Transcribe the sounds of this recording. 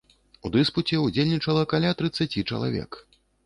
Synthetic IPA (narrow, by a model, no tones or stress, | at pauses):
ud̪ɨsput͡sʲɛud͡zʲelʲnʲit͡ʂɐlˠɐkalʲat̪ɾɨt̪sːat͡sʲit͡ʂɐ̰lˠa̰vʲɛ̰k